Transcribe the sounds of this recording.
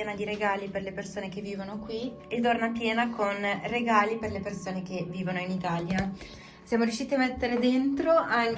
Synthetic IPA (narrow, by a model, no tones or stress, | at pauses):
ɛːnad̪iɾeɡaːliperlepersoːnek̟evːiːvonokwi | et̪ːornap̪jɛːnakonreɡaːliperlepersoːnekevːiːvonoinit̪aːlja | sjaːmoɾjuʃːiːt̪iamːet̪ːeɾed̪ent̪ɾoʔaŋ